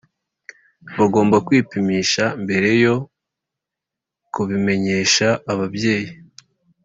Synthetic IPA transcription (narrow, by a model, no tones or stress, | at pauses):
βaɡo̞ːmbakwiːpimiːʃaimbe̞ɾe̞jo̞ | kuβime̞ɲe̞ːʃaːβabje̞ːji